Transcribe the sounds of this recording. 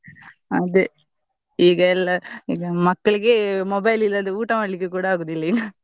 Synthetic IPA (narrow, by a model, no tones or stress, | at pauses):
ɐðɯ | iːɡɐɛlːaiːɡɐmɐkːɐɭɯkːemɔbɐɪlɪlːɐnd̪ɯuːʈːɐmɐɭːɪkːɯkuːɽɐaːɣɯðɪlːɐiːŋɡɐ